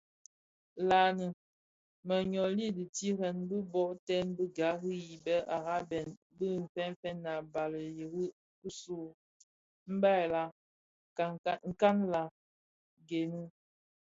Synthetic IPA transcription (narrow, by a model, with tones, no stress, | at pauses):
la˨nə˨ | mə˨ɲɔ˨li˦di˨ti˦ɾɛ˨nbə˦bɔ˦ʔtɛ˦nbə˦ɡa˨˦ɣi˦ji˨bɛ˦ʔa˨ɣa˦bɛ˨n | bə˦m̩˨fɛ˦n˦fɛ˦nːa˨ba˨lə˨ji˨ɣi˦ | ku˦so˦˨ | m̩˦ba˦˨la˨˦ | ŋ̩˨ka˦nla˨ | ɡe˨nə˦